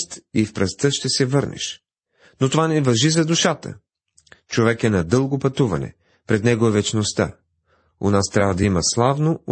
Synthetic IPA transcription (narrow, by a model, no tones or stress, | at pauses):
t̪ifpɾɐst̪əʃt̪ɛsɛvɤɾnɛ̰ʃ | not̪ovanɛvɐʒizɐd̪uʃat̪ə̰ | t͡ʃovɛkɛnɐd̪ɤlˠɡopɐt̪uvɐ̰nɛ̰ | pɾɛd̪nɛɡoɛvɛt͡ʃnost̪a̰ | onast̪ɾʲabvɐd̪ɐimɐslˠavno